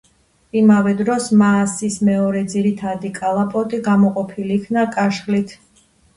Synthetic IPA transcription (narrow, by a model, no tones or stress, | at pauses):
imavɛd̪ɾɔsmaːsismɛɔɾɛd̪ziɾit̪ʰad̪ikʼalˠapʼɔt̪ʼiɡamɔqʼɔpʰiliːkʰnakʼaʃχlit̪ʰ